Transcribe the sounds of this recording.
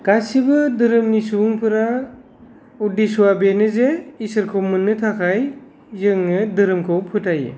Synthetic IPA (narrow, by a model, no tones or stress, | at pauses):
ɡ̥asibɯdɯɾɯmnisuŋpʰɯɾa | udisuabenɯzeisɯɾkʰowmɯnːɯtʰakʰaj | zɯŋnɯdɯɾɯmkʰɯwpʰɯtʰajḛ